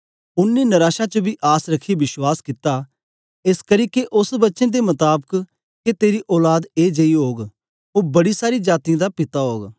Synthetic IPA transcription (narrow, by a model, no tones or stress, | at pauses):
ʊnːinɐɾaːʃat͡ʃəbʱiʔaːsɾɐkʰːibɪʃwaːskɪt̪a | ɪskɐɾiːkeʔʊsbɐtːʃẽd̪emɐt̪aːbək | ket̪eːɾiʔɔːlaːd̪eːd͡ʒɐiɦoːɡ | oːbɐɽisaːɾid͡ʒaːt̪ijãːd̪apɪt̪aɦoːɡ